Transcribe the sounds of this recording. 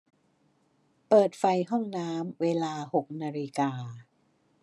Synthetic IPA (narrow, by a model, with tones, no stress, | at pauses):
pɤː˨˩t̪̚fa˧jɦɔ˥˩ŋnaː˦˥mweː˧laː˧ho˨˩k̚naː˧ɾi˧kaː˧